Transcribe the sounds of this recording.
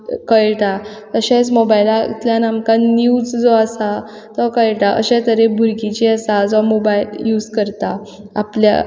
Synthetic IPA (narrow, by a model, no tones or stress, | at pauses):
kəjʈa | əɕẽt͡smobailat̪ljanamkãniuud͡zd͡zɔasa | t̪ɔkəɭʈaʔə̰ɕɛ̃t̪əɾebʱuɾkit͡ɕiəsad͡zɔmobailjud͡zkəɾt̪a | a̰plja̰